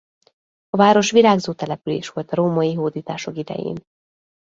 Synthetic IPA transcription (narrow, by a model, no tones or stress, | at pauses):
ɒvaːɾo̞ʃʋilaːɡzoːt̪ɛlɛpyleːʃʋo̞lt̪ɒɾoːmɒjiɦoːd̪iːt̪aːʃo̞kid̪ɛ̰jḛːn